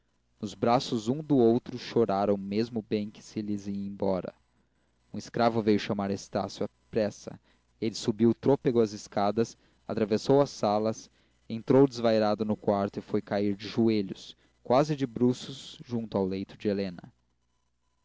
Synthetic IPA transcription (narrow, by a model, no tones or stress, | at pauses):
nʊzbɾasʊzũd̪ʊowt̪ɾʊʃoɾaɾɐ̃w̃mezmʊbẽj̃kɪ̥sɪlɪziẽj̃bɔɾɐ̰ | ũɪskɾavʊvejʊʃamaɾest̪a̰sjʊapɾɛsɐ̰ | elɪsubiwt̪ɾopeɡʊɐzɪskad̪ɐs | at̪ɾavesowɐsːalɐs | ẽnt̪ɾowd͡ʒɪzvajɾad̪ʊnʊkwaɾt̪ʊɪfojkaiɾd͡ʒɪʒueʎʊs | kwazɪd͡ʒɪbɾusʊzʒũnt̪ʊawlejt̪ʊd͡ʒɪelẽnɐ̰